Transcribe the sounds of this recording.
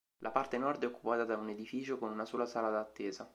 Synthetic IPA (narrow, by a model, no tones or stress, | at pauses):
lʔapart̪enɔrd̪ɛokːupaːt̪ad̪auned̪ifiːt͡ʃokonunasoːlasaːlad̪at̪ːɛːza